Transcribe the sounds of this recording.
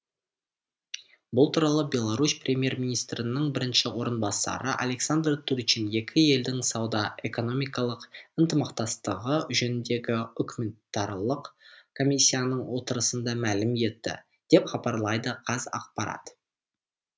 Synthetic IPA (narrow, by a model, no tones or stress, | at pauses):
bʊlˠt̪ʰuɾɑlˠəbʲe̞lˠɑɾusprʲemʲje̞rmʲinijst̪ɾɪnɪɴbɪɾɪnʃɪwo̞ɾənbɑsɑ̰ɾəʔa̰le̞ksand̪rt̪uɾt͡ʃinje̞kʲʰɪe̞ld̪ɪŋsɑwd̪ɑe̞ko̞no̞mʲijkɑlˠəqənt̪əmɑqt̪ɑst̪əʁəʒenɪnd̪e̞ɡʲɪʏkʲumʲent̪ɑɾlˠəqkʰo̞mʲisʲːijanəɴwo̞t̪əɾəsənd̪ɑmælɪmje̞t̪ːɪ̰ | d̪̥e̞pχɑbɑɾlˠɑjd̪əqʰɑzɑ̰q̚pɑɾɑ̰t̪